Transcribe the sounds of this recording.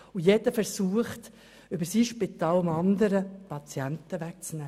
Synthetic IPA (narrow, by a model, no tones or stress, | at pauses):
ujɛd̥əfɛɾsuːəχt | ʏbəɾsiːʃpɪt̪ɑːlʊmɑnd̪əɾəpɑt͡sjænt̪əʋæk̚t͡snɛː